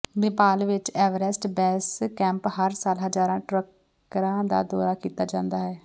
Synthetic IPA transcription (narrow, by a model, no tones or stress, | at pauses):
ʋɪpaːlʋɪt͡ʃɛːʋəɾɛsʈbɛːskɛ̃ːmphəɾsaːlɦəd͡ʒaːɾãːʈɾək | ɾãːd̪a̰ːd̪ɔːɾaːkiːt̪aːd͡ʒãːnd̪aːɦɛː